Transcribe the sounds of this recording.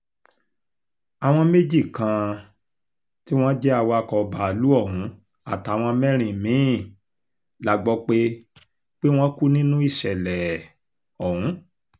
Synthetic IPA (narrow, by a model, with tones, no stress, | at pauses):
a˨w̃ɔ̃˧me˦d͡ʒi˦˨kã˧ | ti˦w̃ɔ̃˦d͡ʒɛ˦a˦˨wa˧˨kɔ˧˨˧ba˨lu˦ɔ˦˨ɦũ˨˦ | a˦˨ta˨˦˨w̃ɔ̃˧mɛ̃˦ɾ̃ĩ˨mĩ˨˦˨ | la˦ɡ͡bɔ˧k͡pe˦ | k͡pe˦w̃ɔ̃˦ku˦nĩ˦nũ˦i˦˨ʃɛ˨lɛ˨ | ɔ˨hũ˨˦